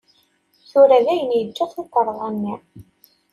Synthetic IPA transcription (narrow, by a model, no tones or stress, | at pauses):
θʊɾæðæjənjəd͡ʒːæθot̪ːəɾˤðˤænːi